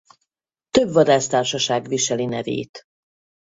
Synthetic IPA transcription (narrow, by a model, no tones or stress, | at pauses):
t̪ø̞bvɒd̪aːʃt̪aːrʃɒʃaːɡviʃɛlinɛvḛːt̪